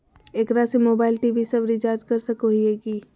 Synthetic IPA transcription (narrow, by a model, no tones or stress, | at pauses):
eːkɾasemoːbaːɪlʈiʋisɐbɾit͡ʃaːɾd͡ʒkɐɾsəkoɦieːɡiː